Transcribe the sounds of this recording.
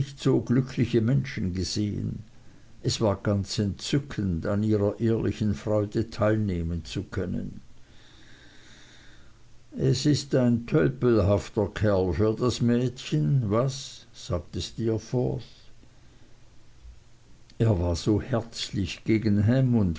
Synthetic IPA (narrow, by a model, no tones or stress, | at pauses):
ɪçtz̥oːɡlʏkʰlɪçəmɛnʃn̩ɡəzeːə̰n | ʔɛsv̥aːɐɡ̥ant͡sɛntt͡sʏkʰəndaniːʁɐʔeːɐlʔɪ̰çən̩fʁ̥ɔʏdətʰaɪlneːmənt͡sukʰœnə̰n | ʔɛsɪstaɪntʰɔʏpl̩ɦaftɐkʰɛɐlfyɐdasmɛːtçənvasz̥aːɡ̚təstiːɐfɔθ | ʔeːɐvaːɐz̥oːhɛɐt͡slɪçɡ̥eːɡən̩ɦɛmʊnt